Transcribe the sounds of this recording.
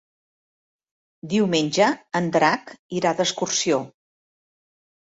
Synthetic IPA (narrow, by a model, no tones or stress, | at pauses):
d̪iwmenʲʒəənd̪ɾakiɾad̪əskursio